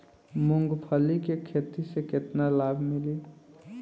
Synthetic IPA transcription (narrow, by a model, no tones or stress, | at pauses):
mʊ̃ŋɡpʰəlikekʰet̪isekɪt̪nalaːbʱmɪli